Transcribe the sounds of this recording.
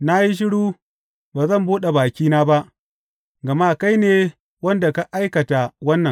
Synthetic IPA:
na˦ji˦ʃ̬ɪ˦ɽuː˦ | baː˨zɐ˦˨mbuː˦ɗe˨baː˨kʲiː˦naː˦ba˦ʔ | ɡɐ˨ma˦˨ka˦jneː˨ | wɐ˦nda˨ka˦ʔa˦jkɐ˨ta˨wɐ˦nːɐ˨

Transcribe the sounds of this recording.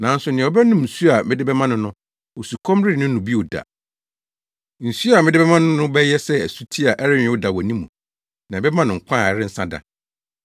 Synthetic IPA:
nã˨˦n̩˦sʊ˨nɪ̃˨ɔ˦bɛ˦nʊ̃˦mn̩˨su˦a˨mɪ̃˦dɪ˦bɛ˦mã˦nʊ̃˦nʊ̃˦ | o˨su˨kʰɔ̃˦mɾɪ˦˨nʊ̃˦nũ˨bi˦o˨da̰˨ | n̩˨su˦a˨mɪ̃˦dɪ˦bɛ˦mã˦nʊ̃˦nʊ̃˦bɛ˦jɛ˦sɛ˦æ˨su˦tʰi˦a˨ʔɛ˦ɾɪ̃˦˨˦ʊ˦da˨wɔ˨nĩ˦mũ˨ | nã˨bɛ˦mã˦nʊ̃˨ŋ̩˨kʷʰã˦˨ɛ˨ɾɪ˦n̩˦sã˦da̰˨

